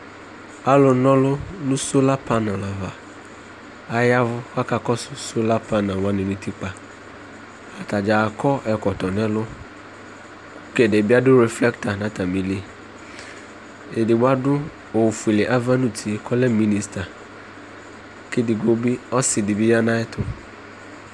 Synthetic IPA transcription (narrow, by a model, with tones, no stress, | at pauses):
a˦lʊ˨˦nɔ̃˦lʊ˦nʊ̃˦so˦la˦pʰa˦nã˨la˨va˨ | a˨ja˦vʊ˦ka˦ka˨kɔ˦sʊ˦so˦la˦pʰa˦nã˨wã˦nɪ̃˨nʊ̃˦ti˦k͡pa˨ | a˨ta˨d͡ʒaː˨kɔ˦ʔɛ˨kɔ˨tɔ˨nɛ̃˦lʊ˦ | kɛ˨dɛ˨bɪ˦a˦dʊ˦ɾɛ˨flɛ˦kta˨nã˨˦ta˨mĩ˨li˦ | e˨dɪ˨ba˦dʊ˦ | o˨fu˨i˨le˨ʔa˦va˦nu˦tʰi˨kʰɔ˦lɛ˦mi˦ni˨sta˨ | kɪ˦dɪ˨ɡo˦bi˦ɔ˦sɪ˨dɪ˨bɪ˦ja˦nã˦ɛ˦tʰʊ˨